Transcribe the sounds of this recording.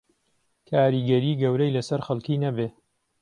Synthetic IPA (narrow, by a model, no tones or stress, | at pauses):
kʰaːɾiɡɐɾiːɡɐwɾɐjlɐsɐɾxɐlkiːnɐbeː